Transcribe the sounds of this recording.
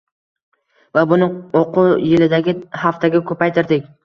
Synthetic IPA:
vabʊnɪoqʊjɪlɪd̪aɡʲɪhaft̪ʰaɡʲakʰɵpajt̪ʰɪɾd̪ɪkʲ

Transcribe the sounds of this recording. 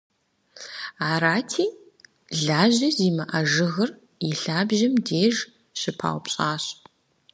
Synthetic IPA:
aːɾaːtʰiː | ɮaːʑɐziːmɐʔɐʒɨɣɐr | iɬaːbʒɐmdeːʒ | ɕɪpʰa̰ːwpɕʼaːɕ

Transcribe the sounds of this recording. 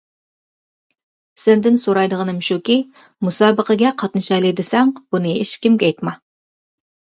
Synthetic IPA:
sɪnd̪ɪnsoɾɑjd̪əʁənɨmɪʃukʲi | musɑbəqəɡʲɛqʰɑt̪nɨʃɑjlˠejd̪ɪsæŋb̥unɨeʃkʲɪmɡʲɛjt̪mɑ

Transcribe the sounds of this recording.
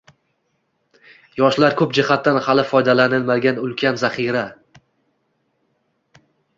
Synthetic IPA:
jɒʃlaɾkʰɵpd͡ʒɪhat̪ːanhalɪfɒjd̪alanɪlmaɡʲanʊlˠkʲʰanzaχiɾa

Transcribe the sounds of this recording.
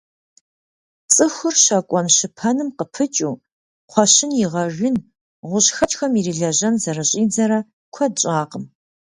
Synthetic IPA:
t͡sʼɨxʷʊrɕɐkʷʼɔnɕɪpʰɐnɨmqəpʰɨt͡ʃʼuː | qʷʰɔɕɪnjɪʁɐʒʷʊn | ʁʷʊɕxɐt͡ʃʼxɐmiriɮɐʑɐnzɐrɨɕʼiːd͡zɐɾɐ | kʷʰɐdɕʼaːqəm

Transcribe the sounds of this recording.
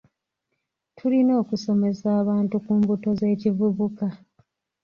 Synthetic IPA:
tʰulino̞ːkuso̞me̞saːβaːntukuːmbuto̞ze̞ːcivuβuka

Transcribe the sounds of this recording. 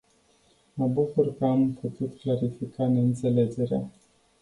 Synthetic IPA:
məbukurkəamput̪ut̪klaɾifikane̞ɨnt̪se̞le̞d͡ʒe̞ɾea

